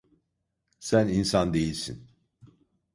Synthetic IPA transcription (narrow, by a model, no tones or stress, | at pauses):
sæninsɑnd̪e̞jilʲsin